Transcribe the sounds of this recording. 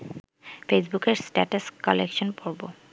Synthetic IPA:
fʰesbukeɹsʈɛ̰ʈoskɔlekʃɔnpoɹbo

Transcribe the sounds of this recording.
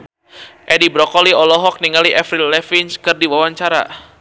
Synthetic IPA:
ʔɛdibɾɔkɔliɔlɔɦɔk̚niŋaliʔɛfɾilɛfinskɨrdiwawaɲt͡ʃaɾa̰

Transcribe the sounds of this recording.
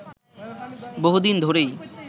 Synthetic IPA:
boɦud̪ind̪ʱoɾej

